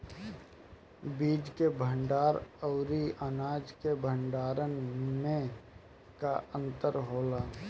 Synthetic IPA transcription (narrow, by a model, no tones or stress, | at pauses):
biːd͡ʒkebʱə̃ɳɖaːɾəʊɾiʔanaːd͡ʒkebʱəɳɖaːɾənmẽ | kaə̃nt̪əɾɦoːlaː